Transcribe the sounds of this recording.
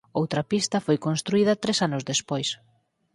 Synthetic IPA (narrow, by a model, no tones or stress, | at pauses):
owt̪ɾɐpist̪ɐfojkonst̪ɾuiðɐt̪ɾesanʊzðespojs